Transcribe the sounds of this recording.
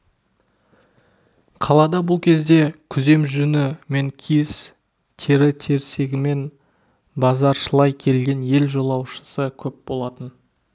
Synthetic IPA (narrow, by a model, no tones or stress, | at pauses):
qʰɑlˠɑd̪ɑbʊlˠkʲʰe̞zd̪e̞kʲʰʏze̞mʒʏnɪme̞ŋkʲʰijs | t̪ʰe̞ɾɪt̪ʰe̞ɾse̞ɡʲɪme̞n | bɑzɑɾʃəlˠɑjkʲʰe̞lɡʲe̞nje̞lʒo̞lˠɑwʃə̥səkʲʰɵp̚bo̞lˠɑt̪ən